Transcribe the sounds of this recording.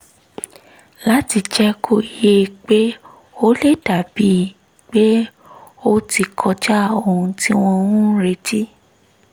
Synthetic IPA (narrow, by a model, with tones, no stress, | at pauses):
la˦ti˧d͡ʒɛ˦kʰo˦˨i˨je˦k͡pe˦ | o˦le˦da˨bi˦˨ | k͡pe˦ | o˦ti˧kʰɔ˧d͡ʒa˦o˧˨hũ˧ti˦w̃ɔ̃˧wũ˦ɾe˦ti˦